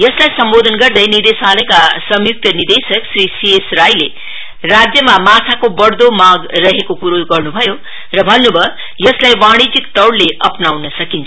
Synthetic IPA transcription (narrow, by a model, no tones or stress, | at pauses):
jʌslajsʌmbod̪ʱʌnɡʌrd̪ʌjnird̪esalʌjkasʌmjuk̚t̪ʌnird̪esʌksrisiesrajle | rad͡zjʌmamat̪ʰakobʌɽd̪omaɡrʌɦekokuɾoɡʌrnubʱʌjo | rʌbʱʌnːubʱʌ | jʌslajwaɽ̃id͡zikt̪ʌwɽleʌpnawnʌsʌkint͡sʰ